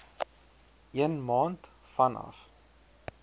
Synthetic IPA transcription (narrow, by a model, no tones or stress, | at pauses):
ʔiənmɑːnt | fɐnɐ̰f